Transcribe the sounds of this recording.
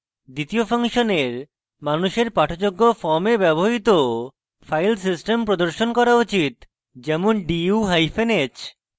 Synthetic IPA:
d̪it̪iofaŋʃoneɾ | manuʃeɾpaʈʰot͡ɕoɡːofɔɾmebɛboɦit̪o | fʰajlsisʈempɾod̪oɾʃonkɔɾaut͡ɕit̪ | d͡ʑɛmonɖiuɦajfʰenet͡ɕ

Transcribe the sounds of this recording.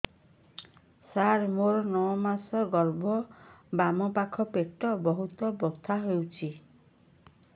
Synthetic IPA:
saɾmoɾnɔwɔmasɔɡɔɾbɔbamɔpakʰɔpeʈɔbɔɦut̪ɔbɔt̪ʰaɦewt͡ʃʰi

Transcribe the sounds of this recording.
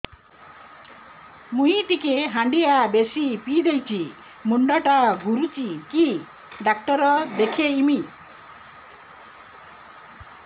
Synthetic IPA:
muɦit̪ikeɦaɳɖiabesipid̪ejt͡ʃʰi | muɳɖɔʈaɡʱuɾut͡ʃiki | ɖak̚ʈɔɾɔd̪ekʰeimi

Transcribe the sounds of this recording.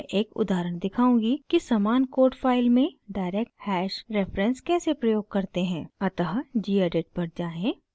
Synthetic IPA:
ʔeːkʊ̰d̪aːɾəɽ̃d̪ɪkʰaːũːɡikisaːmaːnkoːɾʈfʰaːɪlmẽɖaːɪɾeːk̚ʈhɛːʃɾefɾə̃nskɛːsepɾɐjoːɡ̚kɐɾt̪eɦɛ̃ːɐt̪əɦd͡ʒiːeːɖeːʈ̚pɐɾd͡ʒaːẽː

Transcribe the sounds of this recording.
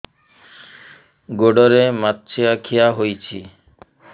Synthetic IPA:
ɡoɖɔɾematːt͡ɕʰiakʰijaɦojt͡ɕʰi

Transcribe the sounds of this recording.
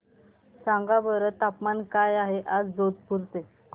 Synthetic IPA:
sãŋɡabəɾət̪apmankajaɦeʔad͡zd͡zod̪̚puɾt̪e

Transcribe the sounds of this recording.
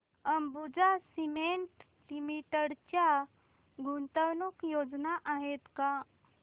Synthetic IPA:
əmbud͡ʒasimeɳʈ | limiʈəɽt͡ʃja | ɡʱunt̪əwnukjod͡ʒnaʔaɦet̪ka

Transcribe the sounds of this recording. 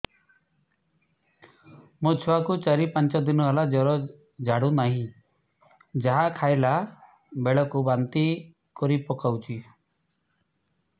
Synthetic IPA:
mɔt͡ʃʰɔwakut͡ʃaɾipant͡ʃɔd̪inɔɦɛlad͡ʒɔɾɔ | d͡ʒʱaɽunaɦĩ | d͡ʒaɦakʰajla | beɭɔkubant̪i | kɔɾipɔkawt͡ʃʰi

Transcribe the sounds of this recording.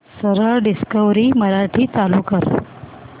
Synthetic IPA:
səɾəɭɖiskəʋɾiːməɾaʈʰiːt͡saluːkəɾ

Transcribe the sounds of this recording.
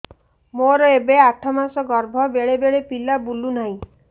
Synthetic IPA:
moɾɔebeaʈʰɔmasɔɡɔɾbʱɔbeɭebeɭepilabulunaɦĩ

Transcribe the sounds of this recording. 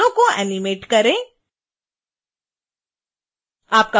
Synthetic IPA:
õkoɛ̰ːnɪmeːʈkɐɾẽː | aːp̚ka

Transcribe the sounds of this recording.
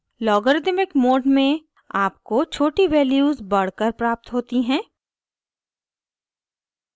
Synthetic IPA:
lɔːɡəɾd̪ɪmɪkmoːɖmẽ | aːpkot͡ʃʰoːʈiʋɛːljuːzbɐɽ̤kəɾpɾaːp̚t̪ɦoːt̪iɦɛ̃ː

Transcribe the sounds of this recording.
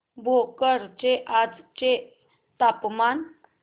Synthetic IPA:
bʱokəɾt͡ɕeʔad͡zt͡ɕe | t̪apman

